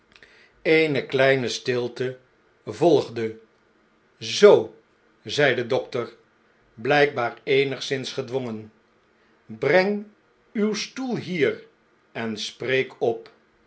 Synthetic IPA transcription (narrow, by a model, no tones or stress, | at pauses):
ejnəklɛjnəstɪlˠtə | vɔlˠχdə | zow | zɛjdədɔktəɹ | blɛjɡ̚baːɹejnəχsɪnsχədʋɔŋən | brɛŋ | ywstulˠɦiːr | ɛnsprejkʰɔp